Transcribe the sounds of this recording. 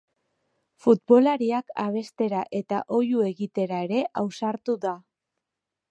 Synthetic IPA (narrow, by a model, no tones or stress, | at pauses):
fut̪̚bo̞laɾiakaβ̞e̞st̪e̞ɾaʔe̞t̪a̰ʔo̞jue̞ɣit̪e̞ɾaeɾe̞ʔawsaɾt̪uða